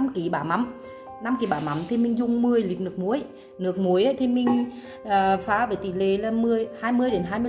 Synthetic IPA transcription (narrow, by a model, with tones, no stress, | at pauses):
mki˧˩˦ɓaː˧˩ma˨˦m | na˧mki˨˧˩ɓaː˨˩ma˨˦mt̪ʰe˧mï˧ŋ̟zʊ˧ŋ͡mmɨ˧əjli˨˩k̚nɨ˨˩ək̚mu˨˦əj | nɨ˨˩ək̚mu˨˦əjʔə˧˦t̪ʰe˧mï˧ŋ̟ | əː˨˩faː˨˦ve˧˩t̪i˧˩le˧˩laː˧˩mɨ˧əjhaː˧jmɨ˧əjɗe˨˦nɦaː˧jmɨ˧ə˧